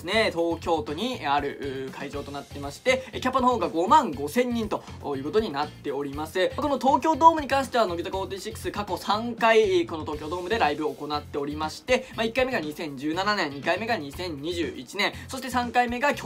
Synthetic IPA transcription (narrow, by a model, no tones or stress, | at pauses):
sɨne̞t̪o̞ːkʲo̞ːt̪o̞ɲ̟iaɾɯ̟ɯ̟kʰaiʑo̞ːt̪o̞nat̪ːe̞maɕi̥t̪e̞kʲapːɯnoho̞ːɡaɡo̞mãŋɡo̞sẽ̞ɲ̟ːĩnt̪o̞ | jɯ̟ːko̞t̪o̞ɲ̟inat̪ːe̞o̞ɾʲimasɨkono̞t̪o̞ːkʲo̞ːd̪o̞ːmɯ̟ɲ̟ikãɰ̃ɕi̥t̪e̞ano̞ɡʲit̪akot̪eiɕikːɯ̥sɨkako̞sãŋkaiko̞no̞t̪o̞ːkʲo̞ːd̪o̞ːmɯ̟d̪e̞ɾaibɯ̟ːko̞nat̪ːe̞o̞ɾʲimaɕi̥t̪e̞maikːaime̞ɡaɲ̟isẽ̞ɲ̟d͡ʑɨːnananẽ̞ɲɲ̟ikaime̞ɡaɲ̟isẽ̞ɲ̟ɲiʑɨ̰ːḭt͡ɕinẽ̞so̞ɕ̬i̥t̪e̞sãŋkaime̞ɡakʲ